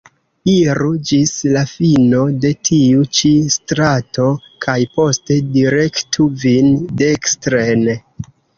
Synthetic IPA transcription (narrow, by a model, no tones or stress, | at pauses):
iɾud͡ʒislafino̞de̞tʰiut͡ʃistɾato̞ | kʰajpo̞ste̞diɾe̞ktʰuvindekstɾen